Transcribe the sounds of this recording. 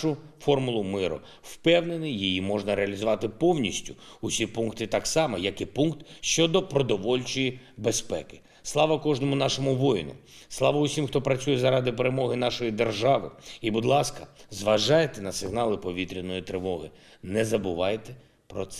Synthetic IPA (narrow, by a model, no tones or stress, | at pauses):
ʊ | fɔrmʊlˠʊmɪɾɔ̰ | wpɛwnenɪjijimɔʒnɐɾeɐlʲizʊʋɑt̪ɪpɔwnʲisʲtʲʊʊsʲipunkt̪ɪt̪ɑksɑmɐjɐkɪpunkt̪ʃt͡ʃɔd̪ɔpɾɔd̪ɔʋɔlʲt͡ʃɔji | bespɛ̰kɪ̥ | slˠɑʋɐkɔʒnɔmʊnɑʃɔmʊʋɔjnʊ̰slˠɑʋɐʊsʲimxt̪ɔpɾɐt͡sʲujɛzɐɾɑd̪ɪpeɾemɔɦɪnɑʃɔjid̪erʒɑʋɪ̰ibʊd̪lˠɑskɐzʋɐʒɑjet̪ɛnɐsɪɦnɑlˠɪpɔʋʲit̪ɾʲinɔjit̪ɾɪʋɔɦɪ | nɛzɐbʊʋɑjt̪ɛ | pɾɔt̪sɛ